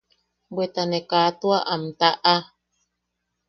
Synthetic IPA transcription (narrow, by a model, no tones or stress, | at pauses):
bwet̪anɛkaːt̪uaʔam̩taʔa